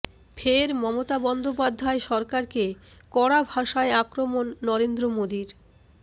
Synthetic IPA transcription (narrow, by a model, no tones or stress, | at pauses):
fʰeɾmɔmot̪abɔnd̪opad̪ʱːaeʃɔɾkaɾkekɔɽabʱaʃaeakɾomonːɔɾend̪ɾomod̪iɾ